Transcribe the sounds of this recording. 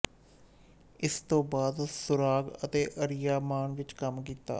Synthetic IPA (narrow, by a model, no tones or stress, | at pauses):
ɪst̪õːbaːd̪sʊɾaːɡət̪eːʔəɾɪjaːmaːnʋɪt͡ʃkəmk̬iːt̪a̰ː